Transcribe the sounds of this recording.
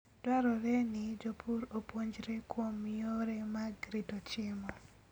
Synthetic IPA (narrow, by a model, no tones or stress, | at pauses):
dwaɾɔɾɛnɪd͡ʒopʰuɾopwoɲd͡ʒɾekwomɪoɾɛmaɡɾitot͡ʃɪmɔ